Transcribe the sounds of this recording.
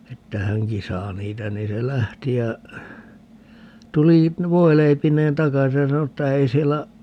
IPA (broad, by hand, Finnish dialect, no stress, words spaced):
etːæ hæŋki sɑː niːtæ niː se læhti jɑ tuli ʋoileipinˑeːn tɑkɑsi jɑ sɑno etːæ ei sielːæ